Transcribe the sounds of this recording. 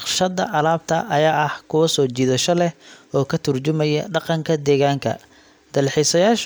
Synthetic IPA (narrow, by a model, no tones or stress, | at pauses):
qʃɐd̪ɐ̰ʔɐlaːb̚t̪ʰɐ̰ʔɐjaːʔɐhkʰʊwɐsɔːt͡ʃiːðɐʃɔlɛɔːkʰɐt̪ʰʊrt͡ʃʊmɛjɐ̰ɖɑqɑŋkʰɐd̪ɛːɣaːŋkʰɐ̰ | d̪̥ɐlħisɐjaːʃ